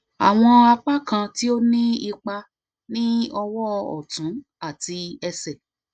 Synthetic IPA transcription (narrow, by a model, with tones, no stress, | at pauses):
a̰˨w̃ɔ̃˧a˧k͡pa˦kã˧ti˦o˦nĩ˦i˧k͡pa˧ | nĩ˦ɔ˧wɔ˦ɔ̰˨tũ˨˦ | a˦˨ti˧ɛ˧sɛ˨